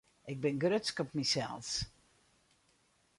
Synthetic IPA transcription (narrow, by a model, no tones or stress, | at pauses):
ʔɪk̚bɪnɡrøtskɔpmisɛ̰lˠs